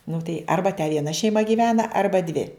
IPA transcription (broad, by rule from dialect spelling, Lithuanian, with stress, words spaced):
nʊ tɐɪ ˈɐrbɐ tʲɛ ʋʲiɛˈnɐ ʃʲɛɪˈmɐ ɡʲiːˈʋʲæːnɐ ˈɐrbɐ dʲʋʲɪ